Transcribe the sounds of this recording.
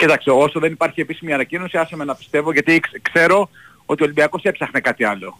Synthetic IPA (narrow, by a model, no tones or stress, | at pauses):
cit̪ɐkseo̞soðe̞nipɐɾçiepisimiɐnɐcino̞siɐsemenɐpi̥st̪e̞vo̞ʝɐt̪ikskse̞ɾo̞ | o̞t̪io̞limbiɐko̞se̞psɐxnekɐt̪iɐlo̞